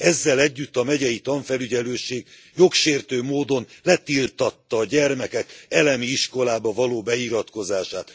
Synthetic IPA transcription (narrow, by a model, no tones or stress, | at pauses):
ɛzːɛlɛɟːyt̪ːɒmɛɟɛjit̪ɒɱfɛlyɟɛløːʃeːɡ | jo̞kʃeːrt̪øːmoːd̪o̞nlɛt̪ilt̪ɒt̪ːɒːɟɛrmɛkɛkɛlɛmiiʃko̞laːbɒvɒloːbɛiɾɒt̪ko̞zaːʃaːt̪